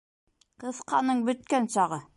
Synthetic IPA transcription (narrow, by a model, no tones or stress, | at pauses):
qɤ̆sqɑnɤɴbɵ̆t̪̚kænʃɑʁɤ